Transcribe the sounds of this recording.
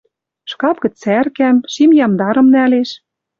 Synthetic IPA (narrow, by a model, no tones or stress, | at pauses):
ʃkɑpkɘ̆t͡særkæmʃimjɑmd̪ɑɾɤ̆mnæleʃ